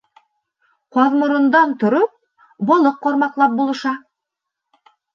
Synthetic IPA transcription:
qɑðmŏɾɤ̆nd̪ɑnt̪ŏɾop̚ | bolˠoqːoɾmɑqlˠɑp̚bulˠɤ̆ʃɑ

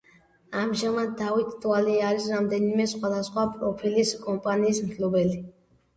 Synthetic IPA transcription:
amʒamad̪awikʰʼt̪ʼualiaɾisɾamd̪ɛnimɛsχwad̪asχwapʼɾɔpʰiliskʼɔmpʼaniːsmt̪ʰlubɛli

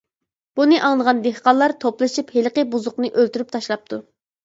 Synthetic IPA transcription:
b̥unɨʔɑŋlˠəʁɑnd̪ehqɑllˠːɑɾt̪ʰoplˠɨʃiphelqəbuzʊqnɨʔølt̪yɾyp̚t̪ʰɑʃlˠɑp̚t̪ʰu

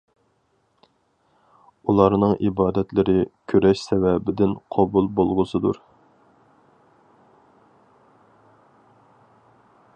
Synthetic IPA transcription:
ulˠɑɾnɨŋʔibɑːd̪ɛt̪lɪɾɪkʲʰøɾɛʃsɛvɛbɪd̪ɪnqʰɑbulˠbolˠʁʊsɨd̪ṵɾ

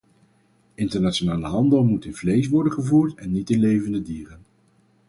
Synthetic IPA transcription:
ɪntəɹnatʃonaːləɦɑndəlˠmutɪnvlejs̬ʋɔɹdənχəvuːɹtɛnːitɪnlejvəndədiːrən

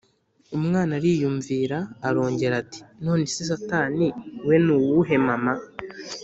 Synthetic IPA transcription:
umŋaːnaɾiːjuɱviːɾaːɾo̞ːɲɟe̞ɾati̥no̞ːnesis̬ataːniwe̞nuwuɦe̞mama

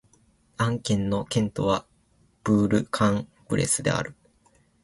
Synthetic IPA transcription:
ãŋkẽ̞nːo̞kẽ̞nt̪o̞βa | b̥ɯ̟ːɾɯ̟kʰãŋ | pɯ̟ɾʔe̞̰sɨd̪e̞̰a̰ɾɯ̟

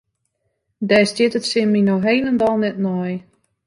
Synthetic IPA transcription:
dɛːstɪtətsɪnminoɦeːləndalˠnɛtnɔj

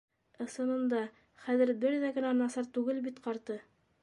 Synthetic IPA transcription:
ɤ̆sɤ̆nɤ̆nd̪ɑ | χæðɘɾbɘɾðæɡɘ̆nænɑsɑɾt̪ʉɡɘlbit̪qɑɾt̪ɤ

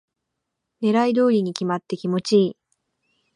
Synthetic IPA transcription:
ne̞ɾaid̪o̞ːɾʲiɲ̟ikʲimat̪ːe̞kʲimo̞t͡ɕiː

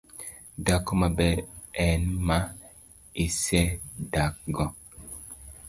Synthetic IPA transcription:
dakomabɛɛnma | isɛdak̚ɡɔ

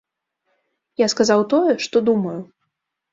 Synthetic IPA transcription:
jaskazawt̪ɔjɛʂt̪ɔd̪umɐju

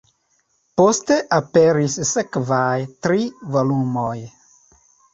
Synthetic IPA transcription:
po̞ste̞ʔape̞ɾissekvajtɾivo̞lumoj

